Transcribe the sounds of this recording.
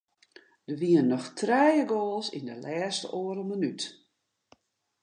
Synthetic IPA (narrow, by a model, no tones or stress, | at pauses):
d̥əʋiənnːɔxtrɛjəɡoːlˠsḭndəlʔɛːstəʔoəɾəlˠmənyt